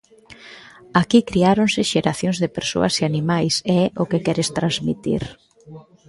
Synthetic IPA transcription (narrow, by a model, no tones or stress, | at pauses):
akikɾiaɾonsɪʃeɾaθjoŋzðɪpeɾso̰ɐseanimajsɛɛʔʊkekɛɾɪst̪ɾanzmḭt̪ḭɾ